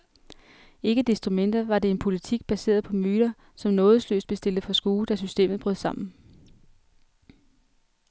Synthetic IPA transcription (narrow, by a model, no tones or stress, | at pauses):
e̝ɡ̥əd̥esd̥ʁumen̰d̥ɐʋɑ̈de̝e̝npʰo̝lit͡sʰiɡ̥̚b̥æse̝̰ːɐðˠpʰɒ̽myːɾ̥ɐ | sɒ̽mnɔ̽ːð̞ˠəslø̰ːsd̥b̥e̝sd̥e̝ld̥əfɒ̽sɡ̥uːd̥æsysd̥e̝̰ːmð̞̩ˠb̥ʁøð̰ˠsɑ̈m̰n̩